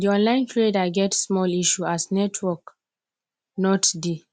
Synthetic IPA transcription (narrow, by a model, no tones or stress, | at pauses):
diɔ̃nlãɪ̃ntʰɹedaɡɛtsmɔliʃuasnɛtʰwɔk | nɔtdi